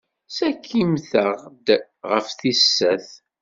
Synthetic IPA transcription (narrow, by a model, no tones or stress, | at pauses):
sækʰːimθəʁd̪ | ʁə̰fθisːæθ